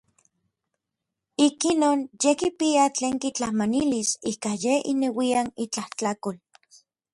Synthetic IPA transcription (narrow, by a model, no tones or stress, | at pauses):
ikinoːnjekipiat͡ɬeːŋkit͡ɬahmanilisikajeḭnewianit͡ɬaht͡ɬakol